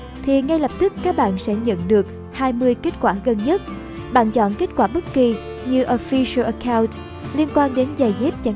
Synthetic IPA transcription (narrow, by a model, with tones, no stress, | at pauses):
t̪ʰi˨˩ŋa˧jlə˨˩p̚t̪ɨ˦˥kːaː˦˥k̚ɓa̰ː˧˨nsɛ̰˧˥ɲə̰˧˨nɗɨ˨˩ək̚ | haː˧jmɨ˧əjke˦˥t̚kwaː˧˩ɣə˧nɲə˦˥t̚ | ɓa̰ː˧˨nt͡ɕɔ̰˧˨nke˦˥t̚kwaː˧˩ɓə˦˥t̚ki˨˩ | ɲɨ˧ʔo˧˩fi˧sə˧lʔə˧kʰaː˧wnt | li˧ənkwaː˧nɗe˨˦nza˨˩jzɛ˦˥p̚t͡ɕa˧˩